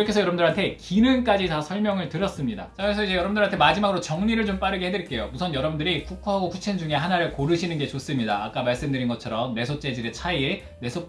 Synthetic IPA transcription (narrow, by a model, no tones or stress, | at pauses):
ɾʌkʰe̞sʰʌjʌɾʌbundɯɾɦantʰe̞kinɯnk͈ad͡ʑitasʰʌɭmjʌŋɯɭtɯɾʌs͈ɯmɲida̰t͡ɕaesʰʌid͡ʑe̞jʌɾʌbɯndɯɭɦantʰemad͡ʑimaɡɯɾot͡ɕʌŋɲiɾɯɭt͡ɕomp͈aɾɯɡeɦe̞dɯɾik͈e̞jomusʰʌnjʌɾʌbundɯɾipʰukʰoɦaɡokʰut͡ɕʰind͡ʑuŋe̞ɦanaɾɯɭkoɾɯɕʰinɯnɡe̞t͡ɕos͈ɯmɲidaːk͈amaɭs͈ɯmdɯɾinɡʌt͡ɕʰʌɾʌmne̞sʰot͡ɕ͈e̞d͡ʑiɾet͡ɕʰaie | ne̞sʰo